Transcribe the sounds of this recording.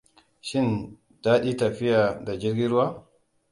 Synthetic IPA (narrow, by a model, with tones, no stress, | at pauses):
ʃɪ˦n | daː˦ɗiː˦tɐ˨ɸɪ˦jaː˨da˨d͡ʒɪ˦ɾɡʲi˦ɾʊ˦wa˦